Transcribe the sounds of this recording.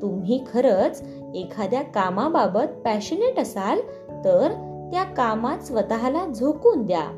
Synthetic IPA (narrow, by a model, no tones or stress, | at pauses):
t̪umɦiːkʰəɾət͡s | ekʰad̪jakamababət̪̚pæɕəneʈəsal | t̪əɾ | t̪jakamat̪sʋət̪aɦalad͡zʱokuːnd̪ja̰